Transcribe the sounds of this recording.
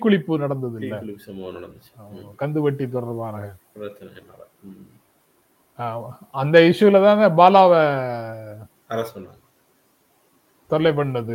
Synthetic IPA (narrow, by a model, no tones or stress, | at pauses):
kːʊɭɪpːɯnɐɽɐnd̪ɐðɪlːɐɐmnɐɽɐnd̪t͡ʃːaːmkɐnd̪ɯʋɐʈːit̪̬ɔɽɐɾʋaːɾɣɐ | ɾɐt͡ʃːnɐ | aːɐnd̪ɐɪʂɯʋɪlɐt̪ãːnɐbaːlaːʋɐ | ɐɾɐsɐnːaŋɐ | t̪ɔlːɐɪp̬ːɐɳːɐðɯ